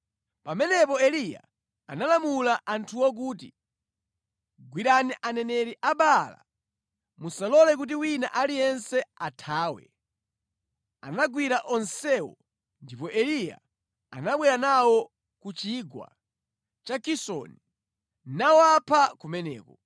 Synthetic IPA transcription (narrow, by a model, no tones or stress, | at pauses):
pamɛnɛpɔɛlija̰ | analamulaʔantʰuwɔk̬uːt̬i | ɡwiɗaniʔanɛnɛɾiʔaɓala̰ | musalɔlɛk̬ut̬iwina̰ʔalijɛnsɛatʰaːwɛ̰ | a̰naɡwiɾaʔɔnsɛwɔ̰ | ndipɔʔɛlija̰ | a̰naɓwɛɾanawɔ | kut͡ʃiɡwa̰ | t͡ʃakisɔ̰ni | nawapʰakumɛnɛ̰ːkɔ